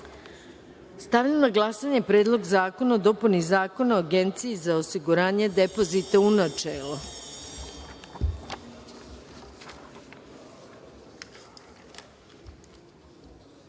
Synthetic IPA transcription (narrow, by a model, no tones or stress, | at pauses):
st̪aʋʎamnaɡlˠasaɲe̞pɾe̞ːd̪lˠo̞ɡzaːko̞naod̪o̞punizaːko̞naoaɡe̞nt̪sijizaosiɡuɾaːɲe̞d̪e̞po̞zit̪aunat͡ʃeːlˠo